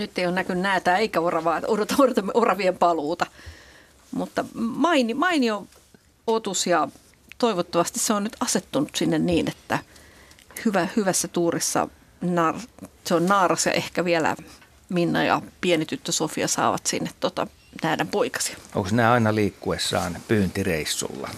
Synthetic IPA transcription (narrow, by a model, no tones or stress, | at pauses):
nyt̪ːeijonnækynnæːt̪æːeikæorɑʋɑːoɾot̪ɑorot̪ɑmorɑʋiempɑluːt̪ɑ | mut̪ːɑmɑinimɑinio | ot̪usjɑ | t̪oiʋot̪ːɑʋɑst̪isseonnyt̪ɑset̪ːunut̪sinːenniːnet̪ːæ | hyʋæhyʋæsːæt̪uːrisːɑ̰ | nɑːrɑseonnɑːrɑsjɑ̰ʔehkæʋiælæ̰ | minːɑ̰jɑ̰pienit̪yt̪ːøsofiɑ̰sɑ̰ːʋɑ̰t̪sinːet̪t̪ot̪ɑ̰ | næidæmpoikɑ̥si̥ɑ̥ʔo̰ŋksinæɑinɑliːkːuesːɑ̰ːnpyːnt̪ireisːṵlːɑ̰